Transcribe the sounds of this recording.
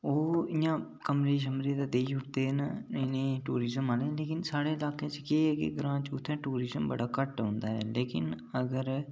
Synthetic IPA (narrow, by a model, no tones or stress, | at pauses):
oːɪjãːkəmɾeːʃ̬əmɾeːd̪aːd̪eːʃʊʈt̪eːɦnɪnẽːʈuːɾɪzəmaːlẽleːkɪnsaːɽeɪlaːket͡ʃkeːɦɛkḛɡɾãːt͡ʃʊt̪ʰːɛ̃ʈuːɾɪzəmbə̰ɽaːkəʈɦõːnd̪aːɦɛːleːkɪ̰n | əɡəɾ